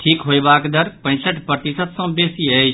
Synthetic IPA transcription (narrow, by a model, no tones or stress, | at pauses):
ʈʰiːkɦoibaːkd̪əɾpɐ̃ɪ̃səʈʰpɐt̪ɪsət̪sɔ̃beːsiɐ